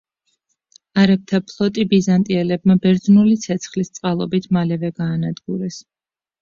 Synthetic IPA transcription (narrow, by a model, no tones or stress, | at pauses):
aɾɛp̚t̪ʰapʰlˠɔt̪ʼibizant̪ʼiɛlɛb̚mabɛɾd̪znulit̪sʰɛt̪sʰχlist̪sʼqʼalˠɔbit̪ʰmalɛvɛɡaːnad̪ɡuɾɛs